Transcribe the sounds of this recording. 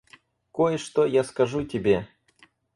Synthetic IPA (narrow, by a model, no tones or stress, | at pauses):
kojʂt̪ojaskɐʐutʲɪbʲe